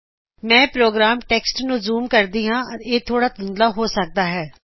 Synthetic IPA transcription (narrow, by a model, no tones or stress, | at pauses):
mɛ̃ːpɾoːɡɾaːmʈeːksʈnʊzuːmkəɾd̪iːɦãːəɾeːt̪ʰoːɽaːt̪ʊnd̪laːɦoːsək̚d̪aːɦɛː